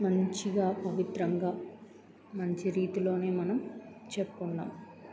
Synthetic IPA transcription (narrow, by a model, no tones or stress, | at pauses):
mɐɲt͡ʃiɡaːpɐʋit̪ɾɐŋɡaː | mɐɲt͡ʃiɾiːt̪ilo̞ːne̞ːmɐnɐmt͡ʃepːunːa̰ːm